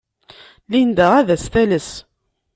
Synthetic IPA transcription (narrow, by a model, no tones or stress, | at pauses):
lind̪æʁæðæst̪æləs